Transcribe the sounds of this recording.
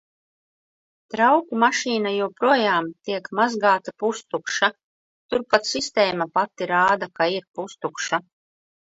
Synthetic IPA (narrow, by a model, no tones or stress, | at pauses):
t̪ɾawkumaʃiːnajupɾuɔjaːmt̪iɛkmazɡaːt̪apust̪ukʃa | t̪uɾpat̪sist̪eːmapat̪ːiɾaːd̪akaiɾpust̪ukʃa